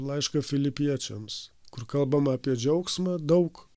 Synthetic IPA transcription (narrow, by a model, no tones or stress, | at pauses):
lˠɐɪʃkɐfʲɪlʲɪpʲiɛt͡ʃʲɛmskʊrkɐlˠbɐmɐɐpʲiɛd͡ʒʲɛʊksmɑd̪ɐʊk